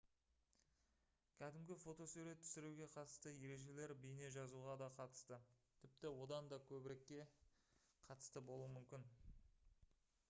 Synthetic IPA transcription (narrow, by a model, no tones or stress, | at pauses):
kʲʰæd̪ɪmɡʲɪfo̞t̪o̞suɾe̞t̪ʰːʏ̥sɪɾuɡʲe̞qʰɑt̪əst̪əje̞ɾe̞ʒe̞le̞ɾbijne̞ʒɑzuʁɑd̪ɑqʰɑt̪ə̥st̪ət̪ʰɪp̚t̪ɪwo̞d̪ɑnd̪ɑkʲʰɵbɪɾe̞kʲːe̞ | qʰɑt̪ə̥st̪əbo̞lˠuəmʏmkʲɪn